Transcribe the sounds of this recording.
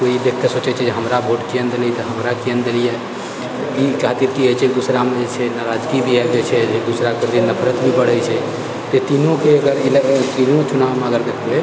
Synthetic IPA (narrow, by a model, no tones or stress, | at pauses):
koid̪ekʰːesot͡ʃɛt͡ʃʰɛd͡ʒeɦəmɾabʱoʈkiənd̪elɛt̪ɔɦəmɾakiənd̪elije | ikat̪it̪kiet͡ʃʰɛd̪usɾamed͡ʒet͡ʃʰɛnaɾad͡ʒɡibʱiɛd͡ʒet͡ʃʰɛd͡ʒed̪usɾakeɾd̪inəpʰɾət̪bʱibəɽ̤ət͡ʃʰɛ | t̪et̪inõkeəɡəɾilt̪inot͡ʃunaʋmeəɡəɾd̪ekʰlɛ